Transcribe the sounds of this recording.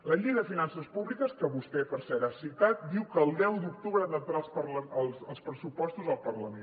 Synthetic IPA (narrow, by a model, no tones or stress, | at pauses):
ləʎiɣəðəfinansəspuβlikəskəβust̪ɛpəɾsɛɾasit̪at̪̚d̪iwkəːlˠd̪ɛwd̪ukt̪uβɾənət̪ɾalˠspəɾləəlˠsəlˠspɾəsupɔst̪uzəlˠpəɾləmen